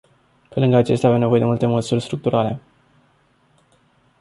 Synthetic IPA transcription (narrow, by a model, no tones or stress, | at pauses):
pe̞lɨŋɡəat͡ʃe̞st̪ʲavemne̞voje̞d̪emult̪e̞məsurʲst̪ɾuk̚t̪uɾale̞̰